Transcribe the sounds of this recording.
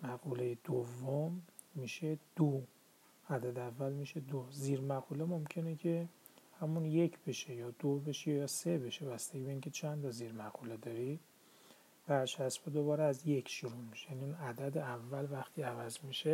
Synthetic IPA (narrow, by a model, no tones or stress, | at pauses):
mæɣuːlejed̪̥ovːomː | iʃe̞d̪̥o | æd̪æd̪eævːælmiʃe̞d̪oziːɾmæɣuːlemo̞mcʰe̞necʲʰe̞ | hæmunje̞cʰb̥e̞ʃejɒːd̪̥obe̞ʃejɒːsebeʃebæst̪eɡibeincʲʰe̞t͡ʃʰænt̪ʰɒziːɾmæɣuled̪ɒːɾi | b̥æɾt͡ʃæsbed̪oβɒːɾeæzjekʰʃuɾumiʃejæniunæd̪æd̪eævːælvæxt̪ʰiːævæzmiʃe